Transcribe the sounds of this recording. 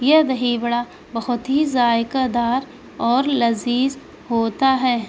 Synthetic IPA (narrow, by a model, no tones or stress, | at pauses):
jed̪ɐɦibɐɽa | bɐɦʊt̪ɦizaːjɪkəd̪aːɾ | ɔːɾlɐziːz | ɦoːt̪aɦɛː